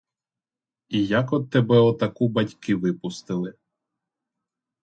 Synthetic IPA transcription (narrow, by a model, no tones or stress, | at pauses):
ijakɔd̪̚t̪ːɛbɛɔt̪ɐkubɐtʲkɪʋɪpʊst̪ɪlˠɪ